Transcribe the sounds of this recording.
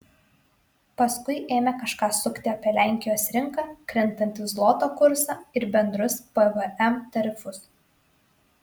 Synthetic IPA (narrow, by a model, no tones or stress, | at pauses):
pɐskʊɪʔeːmʲɛkɐʃkɑːsʊkʲt̪ʲɪɐpʲiɛlʲæˑŋʲkʲɪjoːsɾʲɪŋˑkɑːkɾʲɛnˑt̪ɐnʲt̪ʲɪzlˠɔt̪oːkʊɾsɑɪɾbʲɛnd̪ɾʊspɛʋɛʔɛmt̪ɐɾʲɪfʊs